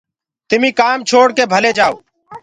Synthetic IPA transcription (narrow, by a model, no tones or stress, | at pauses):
t̪ɪmĩːkaːmt͡ʃʰoːɽkeːbʱəleːd͡ʒaːo̰ː